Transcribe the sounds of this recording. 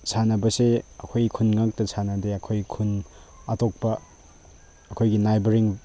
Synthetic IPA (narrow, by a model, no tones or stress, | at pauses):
sʰanɐbɐseɐkʰojkʰunŋak̚tɐsʰanɐdeɐkʰojkʰun | atok̚pɐ | kʰojɡinajbeɾiŋ